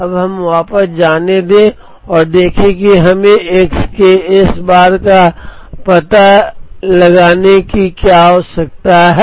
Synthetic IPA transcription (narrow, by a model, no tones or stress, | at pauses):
ɐbɦɐmʋaːpəsd͡ʒaːned̪ẽ | ɔːɾd̪eːkʰẽkiɦɐmẽʔeːkskeɪsbaːɾka | pɐt̪alɐɡaːnekikjaɦoːsɐk̚t̪aɦɛ